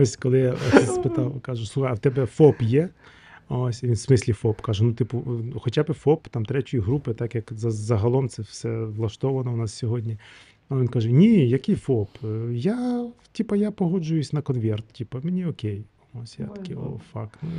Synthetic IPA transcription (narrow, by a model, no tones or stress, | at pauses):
osʲkɔlˠɪjaɐ̰t̪ɪsspɪt̪ɑwkɑʒʊslˠuxɐɐwt̪ɛbɛfɔpjɛ | osʲinsmɪsʲlʲifɔpkɑʒʊnut̪ɪpʊxɔt͡ʃʲabɪfɔpt̪ɑmt̪ɾɛtʲʊjiɦɾupɪt̪ɑkjɐkzɐzɐɦɐlˠɔmt̪sɛwsɛʋlˠɐʃt̪ɔʋɐnɔʊnɑssʲɔɦɔdʲnʲi | ɐʋʲinkaʒɛnʲijɐkɪjfɔpjatʲipɐjapɔɦɔd͡ʒʊjʊsʲnɐkɔnʋʲɛrt̪tʲipɐmenʲiɔkʲej | osʲja̰t̪ɐ̥kʲɪo̰fɑ̰knu